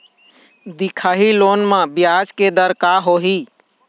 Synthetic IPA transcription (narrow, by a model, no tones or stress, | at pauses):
d̪ikʰaːɦiloːnmãbɪjad͡ʒked̪əɾkaɦoɦi